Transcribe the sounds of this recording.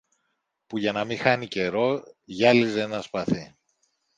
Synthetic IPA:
puʝɐnɐmixɐnice̞ɾo̞ʝɐlize̞nɐspɐθi

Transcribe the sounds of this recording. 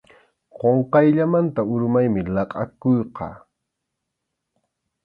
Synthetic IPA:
qoɴqɑjʎamant̪aʊɾmajmɪlɑqʼɑ̰kʊjqɑ̰ː

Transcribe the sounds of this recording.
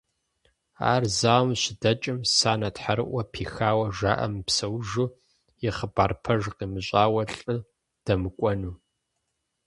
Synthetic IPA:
a̰ːrzaːwmɕɪdɐt͡ʃʼɪmsaːnɐtħaɾɨ̰ʔʷɐpʰiːxaːwɐʒaːʔɐ̰mpsɐwʒuː | jɪχəbaːrpʰɐʒqiːmɨɕʼaːwɐɬʼɨ | d̥ɐmɨkʷʼɔnuː

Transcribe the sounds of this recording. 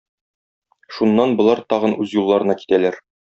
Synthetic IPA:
ʃunːɑnbŏlˠɑɾt̪ɒʁɤ̆nʉzjulˠːɑɾɤ̆nɑki̥t̪ælæɾ

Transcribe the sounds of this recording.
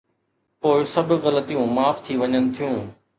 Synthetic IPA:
poːɪsɐb̆ʱɣɐlət̪ijũmaːft̪ʰiʋɐɲənɪ̆t̪ʰijũː

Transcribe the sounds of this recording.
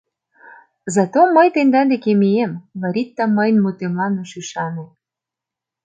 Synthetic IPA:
zɑt̪omːəjt̪end̪ɑnd̪ekemiemβɑɾʲit̪ːɑməjnmut̪emlɑnoʃyʃɑne

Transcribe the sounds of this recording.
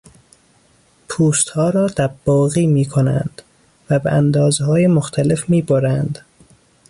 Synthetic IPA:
pʰuːst̪hɒːɾɒːd̪̥æb̥ːɒːɣiːmiːkʰonæ̰nd̪̥ | væbeʔænd̪ɒːzhɒːjemoxt̪ʰæle̞fmiːboɾænd̪

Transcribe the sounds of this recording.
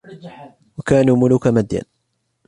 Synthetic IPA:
wakaːnuːmʊlʊkamad̪ja̰n

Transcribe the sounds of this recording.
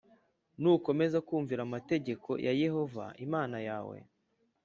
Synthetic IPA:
nuko̞me̞zakuːɱviɾamate̞ɟe̞kʰo̞̰jʔaje̞ho̞va̰ʔimaːnajaːwḛ

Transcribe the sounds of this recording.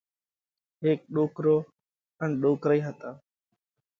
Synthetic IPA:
ɦeːk̚ɗoːkɾoː | ənɗoːkɾiːɦət̪aː

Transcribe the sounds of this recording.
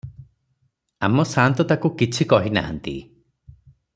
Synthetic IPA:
amɔsant̪ɔt̪akukit͡ʃʰikɔɦina̰ɦa̰nt̪ḭ

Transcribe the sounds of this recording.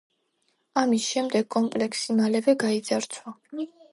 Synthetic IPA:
amisʃɛmd̪ɛɡ̥̚kʼɔmpʼlɛksimalɛvɛɡaid̪zaɾt̪sʰwa

